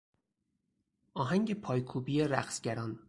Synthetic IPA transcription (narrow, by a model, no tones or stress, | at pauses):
ʔɒːɦæŋɟepʰɒːjkʰuːbijeɾæ̰χsɟæɾɒːn